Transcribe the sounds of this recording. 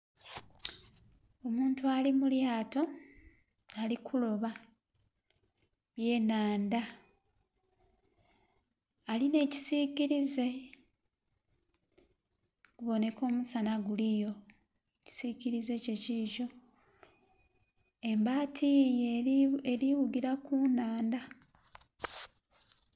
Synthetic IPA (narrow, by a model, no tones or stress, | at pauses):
o̞muːntualimuljaːto̞ | alikʰulo̞βa | βje̞ːnaːnda | line̞ːci̥siciɾize̞ | ɡ̥uβo̞ne̞ko̞ːmusanaɡulijo̞ | eci̥siciɾize̞ce̞ciʒo̞ | e̞mbaːtʰij | eɾiwuɡiɾakunaːnda